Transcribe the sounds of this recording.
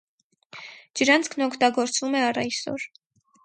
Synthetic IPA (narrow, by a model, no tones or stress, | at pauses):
d͡ʒəɾɑnt͡sʰkʰnɔkʰt̪ɑɡɔɾt͡svumɛɑrɑjsɔ̰ɾ